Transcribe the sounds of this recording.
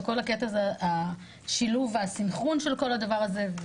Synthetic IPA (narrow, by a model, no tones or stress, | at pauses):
ko̞laket̪azeaʔa | ʃiluvasimχonʃe̞lko̞lhad̪avaʁazev